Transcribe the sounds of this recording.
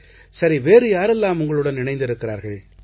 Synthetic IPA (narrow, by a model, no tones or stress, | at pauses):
sɐɾiʋeːɾɯjaːɾɛlːaːmʊŋɡɐɭɯɽɐnnɪnɐɪnd̪ɪɾɯkːɪɾa̰ːɾɣɐɭ